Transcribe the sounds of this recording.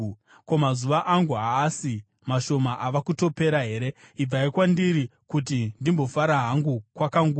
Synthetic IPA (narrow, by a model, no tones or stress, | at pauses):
ko̞mazuʋaʔaŋɡuaːsi | maʃo̞maʔaʋakuto̞pe̞ɾaɦe̞ɾe̞ib͡vaikwandiɾikut̬indimbo̞faɾaɦaŋɡukwakaŋɡu